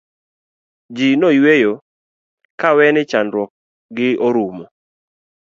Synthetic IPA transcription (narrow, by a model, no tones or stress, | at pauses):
d͡ʒinojwejo | kawɛnɪt͡ʃanɾwɔk̚ | ɡɪoɾumo